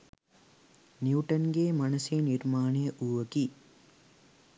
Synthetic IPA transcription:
njuːʈɐnɡeːmɐnɐseːniɾmaːnejɐʔuːʋɐki

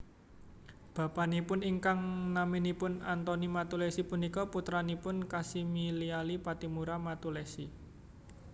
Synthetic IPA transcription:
b̥a̤panipʊniŋkaŋnaminipʊnant̪ɔnimat̪ulɛsipunikɔput̪ɾanipʊnkasimilialipat̪imuɾamat̪ulɛsi

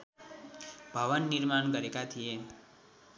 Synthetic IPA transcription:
bʱəʋənːiɾmaɳɡəɾekat̪ʰije

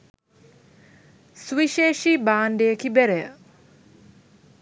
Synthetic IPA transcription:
suʋiʃeːʃibaːnd̪ejəkibeɾejə̰

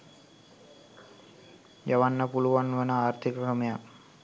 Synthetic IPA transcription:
d͡ʒɐʋanːɐpuluʋanʋənəaːɾt̪ʰikbɾəməja

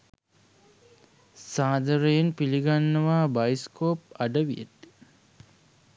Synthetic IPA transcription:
saːd̪əɾəjenpiliɡanːəʋaːbajskoːpaɖəʋijḛt̪i̥

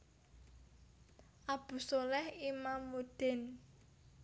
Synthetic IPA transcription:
ʔab̥ṳsolɛhimamːud̪̥e̤n

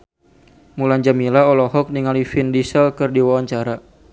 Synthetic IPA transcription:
mulaɲd͡ʒamilaɔlɔɦɔk̚niŋalifindisəlkɨrdiwawaɲt͡ʃaɾa

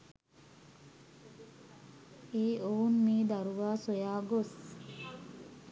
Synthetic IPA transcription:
eːounmiːd̪ɐɾuʋaːsojaːɡos

